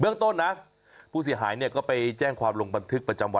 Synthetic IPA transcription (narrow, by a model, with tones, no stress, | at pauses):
bɯ˥˩əŋt̪o˥˩nːa˦˥ | pʰuː˥˩s̬i˩˦ɦaː˩˦jni˥˩ɐkɔː˥˩pa˧jt͡ɕɛː˥˩ŋkʰwaː˧mlo˧ŋba˧nt̪ʰɯ˦˥k̚pɾa˧t͡ɕa˧mwa˧